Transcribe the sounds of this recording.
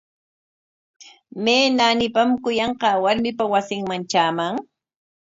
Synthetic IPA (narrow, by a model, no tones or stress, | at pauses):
meːnanɪpamkʊjɑɴqɑːwaɾmɪpawasɪŋmant͡ʃaːmaŋ